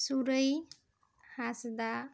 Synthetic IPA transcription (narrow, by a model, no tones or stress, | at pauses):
suɾəj | hasd̪a